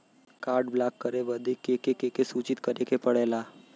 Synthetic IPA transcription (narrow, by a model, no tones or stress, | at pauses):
kaːɾɖblaːkːəɾeʋəd̪ekekekekesuːt͡ʃɪt̪kəɾekepəɽeːlaː